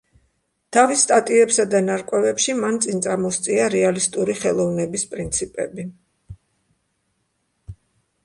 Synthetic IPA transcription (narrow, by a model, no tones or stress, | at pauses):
t̪ʰavisːt̪ʼat̪ʼiɛpsad̪anaɾkʼwɛvɛpʃimant̪sʼint̪sʼamɔst̪sʼiaɾɛalist̪ʼuɾiχɛlˠɔvnɛbispʼɾint̪sʰipʼɛ̰bi